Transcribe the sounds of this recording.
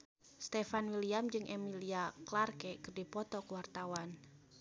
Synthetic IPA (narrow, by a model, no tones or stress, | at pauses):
st̪ɛfanwiliamd͡ʒɨŋʔemiliaklarkekərdipɔt̪ɔkwart̪awan